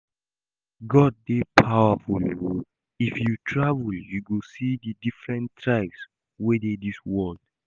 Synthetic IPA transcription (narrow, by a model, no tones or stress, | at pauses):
ɡɔd̚ːepʰawaful | ifjutʰɹavuljuɡosididifɹɛ̃ntɹaks | wedediswɔld